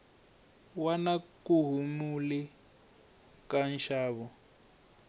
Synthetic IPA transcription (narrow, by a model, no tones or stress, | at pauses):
wanakuɦumuli | kanʃaːβɔ